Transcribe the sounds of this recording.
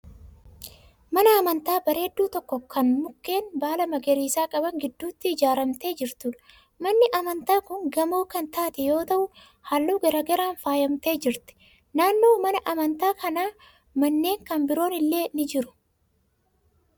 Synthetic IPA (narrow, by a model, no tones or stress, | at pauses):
mɐnɐɐmɐnt̪aːbɐɾe̞ːd̪ːuːt̪ɔkːɔkɐnmʊkːe̞ːnbaːlɐmɐɡɛɾiːsaːkʼɐbɐŋɡɪd̪ːuːt̪ːɪɪd͡ʒaːɾɐmt̪e̞ːd͡ʒɪɾt̪uːᶑɐ̥ | mɐnːɪʔɐmɐnt̪aːkʊŋɡɐmoːkɐnt̪aːt̪ɛjo̞ːt̪ɐʔʊ | haːlːuːɡɐɾɐɡɐɾaːnfaːjɐmt̪e̞ːd͡ʒɪɾt̪ɛ̥ | naːnːoːmɐnɐʔɐmɐnt̪aːkɐnaː | mɐnːe̞ːŋkɐnbɪɾo̞ːnɪlːe̞ːnɪd͡ʒɪɾʊ̥